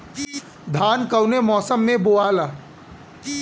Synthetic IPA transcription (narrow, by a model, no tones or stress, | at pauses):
d̪ʱaːnkəwnemɔːsəmːẽboːaːlaː